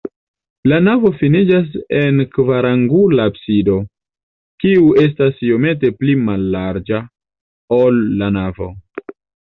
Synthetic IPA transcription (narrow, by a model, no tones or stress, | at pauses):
lanavo̞finid͡ʒas̬e̞nkvaɾaŋɡulapsido̞ | kiue̞s̬tasijome̞t̬e̞plimalːaɾd͡ʒa | olːanavo̞̰